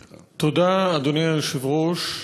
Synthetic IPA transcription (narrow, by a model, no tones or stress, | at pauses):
t̪od̪aːd̪onialʃivʁoʃ